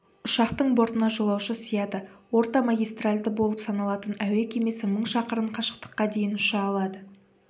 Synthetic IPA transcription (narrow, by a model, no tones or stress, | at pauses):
ʊʃɑqt̪əɴbo̞ɾt̪ənɑʒolˠɑwʃəsijɑt̪əwo̞ɾt̪ɑmaɡʲijst̪ralʲd̪əbo̞lˠəpsɑnɑlˠɑt̪ənæwekʲʰe̞me̞sɪməɴʃɑqəɾəɴqʰɑʃə̥q̚t̪ə̥qːɑd̪e̞jɪnʊʃɑːlˠɑd̪ə